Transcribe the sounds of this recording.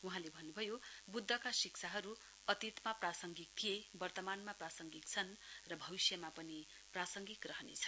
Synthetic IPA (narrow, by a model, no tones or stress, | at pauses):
uɦãlebʱʌnːubʱʌjobud̪ʱːʌkasiksʰaɦʌɾu | ʌt̪it̪maprasʌŋɡik̚t̪ʰijebʌrt̪ʌmanmaprasʌŋɡik̚t͡sʰʌnrʌbʱʌbisjʌmapʌni | prasʌŋɡik̪rʌɦʌnḛt͡sʰʌ̥